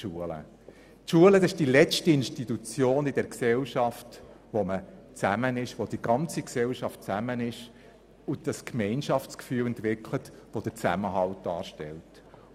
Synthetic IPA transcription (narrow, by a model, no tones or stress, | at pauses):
ʃuələ̰ | tʃuələdɑsɪʃd̥ilɛt͡stiɪnʃtitut͡sjoːnɪdɛɾksɛlʃɑft | ʋomət͡sæmənɪʃʋod̥iɡ̥ɑnt͡siksɛlʃɑftt͡sæmənɪʃ | ʊd̥ɑskmɛɪnʃɑft͡skfyːlɛntʋɪkʰlətʋod̥ət͡sæ̰məɦɑlt̚dɑːɾʃtɛ̰lt